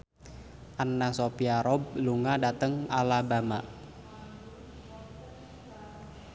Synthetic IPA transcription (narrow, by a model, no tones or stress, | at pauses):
ʔanːasopiaɾɔbluŋadat̪əŋalabamaʔ